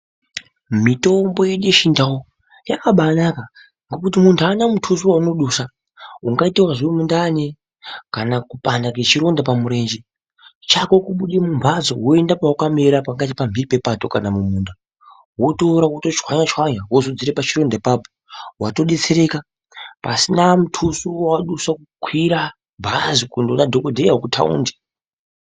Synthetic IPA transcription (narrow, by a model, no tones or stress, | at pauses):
mito̞mbo̞jeɗeʃindawo | jakaɓanaka | ŋɡo̞kutimuntʰuaːnamutʰuzuwauno̞ɗusa | uŋɡaitewaʐiwemundane | kanakupandake̞t͡ʃiɾo̞ndap̬amuɾe̞ːnd͡ʒe | t͡ʃako̞kuɓuɗimumbʱazo̰ɦoe̞ndapaukameɾapaŋɡatipambiripe̞pato̞kanamumuːnda | woto̞ɾawotot͡ʃwaɲat͡ʃwaɲawozod͡ziɾepat͡ʃiɾo̞ndapapo̥ | wato̞ɗe̞t͡se̞ɾe̞ka | pasinamutʰusuwaaɗusakukʰwiɾa | bʱazikundonadʱokodʱejaokutʰa̰ṵndi̥